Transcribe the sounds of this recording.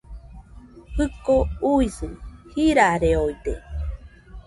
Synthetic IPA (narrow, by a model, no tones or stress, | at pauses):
hɨkouisɨhiɾaɾeojt̪ḛ